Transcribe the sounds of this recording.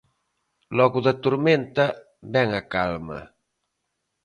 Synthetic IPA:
lɔɣuðat̪uɾment̪a | bɛŋakalmɐ̰

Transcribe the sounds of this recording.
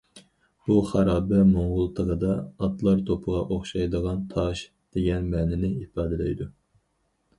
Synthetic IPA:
b̥uχæɾɑːbɛmoŋʁʊlˠt̪ʰəʁəd̪ɑːt̪ʰlˠɑɾt̪ʰopʰəʁɑʔoχʃɑjd̪əʁɑnt̪ʰɑʃ | d̪̥eɡʲɛnmɛːnɪnɪipʰɑːd̪ɪlɛjd̪u

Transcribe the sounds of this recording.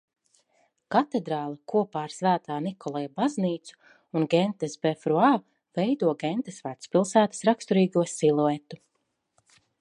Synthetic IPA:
kat̪ed̪ɾaːlˠɐkuɔpaːɾsvæːt̪aːnikʰɔlˠɛjabazniːt̪su̥ | unɡɛnt̪esbefɾua | vɛjd̪uɔɡɛnt̪esvaːt̪spilˠsæːt̪ḁsɾakst̪ɔɾiːɡuɔsilˠuet̪ːu

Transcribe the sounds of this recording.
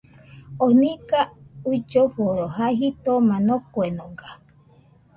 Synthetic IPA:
onĩkaut͡ʃoɸoɾoɦaɦit̪omãnokoenõɡa

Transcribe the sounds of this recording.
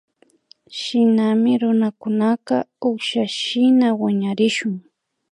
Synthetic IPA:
ʃɪnamɪɾʊnakʊnaqɑʊχʃaʃɪnawaɲaɾɪʃʊŋ

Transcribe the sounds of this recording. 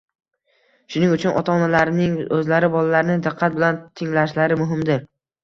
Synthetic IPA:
ʃʊnɪŋʊt͡ʃʰʊnʔɒ̰t̪ʰaːnalaɾnɪŋɵzlaɾɪbɒlalaɾɪnɪd̪ɨqʰːat̪̚bɪlant̪ʰɪŋlaʃlaɾɪmʊɦɪmd̪ɪɾ

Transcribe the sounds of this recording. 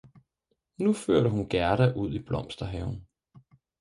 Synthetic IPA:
nuføɐ̰ɾəɦunɡ̥æɐɾæʔuð̰ˠib̥lɒ̽m̰sd̥ɐɦɛʊn̩

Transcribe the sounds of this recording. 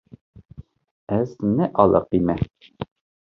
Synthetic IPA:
æznɘʔɒlˠɤ̰qimæ

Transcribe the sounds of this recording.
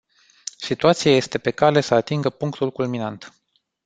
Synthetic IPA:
sit̪uat̪sijaje̞st̪e̞pe̞kale̞səat̪iŋɡəpuŋkt̪ulkulminant̪

